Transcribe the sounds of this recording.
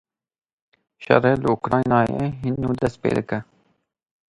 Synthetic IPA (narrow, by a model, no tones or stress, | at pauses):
ʃɛ̰reːlɨukɾɑːjnɑːjḛɦinːuːd̪ɛst̪̚pḛːd̪ɨkɛ